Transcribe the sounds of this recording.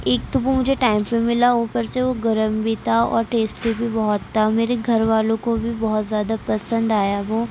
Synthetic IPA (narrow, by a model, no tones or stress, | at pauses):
eːkt̪ʊbumʊd͡ʒʱeʈaːɪ̃mpːẽmɪlaoːpəɾseʋoɡɐɾəmbit̪ʰaɔ̰ːɾʈeːsʈebʱibɔɦɔt̪ːameːɾeɡʱɐɾʋaːlõkobʱibɔɦɔt̪zjaːd̪apɐsə̃nd̪aːjaʋoː